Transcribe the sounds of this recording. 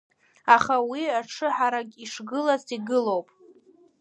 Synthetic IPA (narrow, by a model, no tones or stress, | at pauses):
aχawiaʈ͡ʂʰɨħaɾaɡʲiʂɡɨlaziɡɨlowpʼ